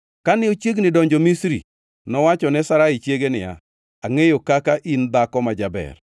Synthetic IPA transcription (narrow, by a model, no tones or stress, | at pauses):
kanɪot͡ʃjeɡnɪdɔɲd͡ʒɔmisɾḭ | nɔwat͡ʃɔnɛsaɾait͡ʃjeɡenɪja̰ | aŋejokakaʔind̪akɔmad͡ʒabɛ̰r